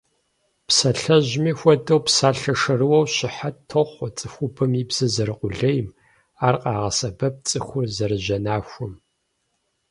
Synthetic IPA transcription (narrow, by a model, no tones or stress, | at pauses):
psɐɬɐʑmiːxʷɔdɐwpsaːɬɐʂɐrɨwɐwɕɪħatʰoχʷɔt͡sʼɨxʷʊbɨmiːbz̥ɨzɐɾɨqʼʷʊɮɐjm | aːrqʼɑːʁɐsɐbɐp̚t͡sʼɨxʷʊrzɐɾɨʒɐnaːxʷʊm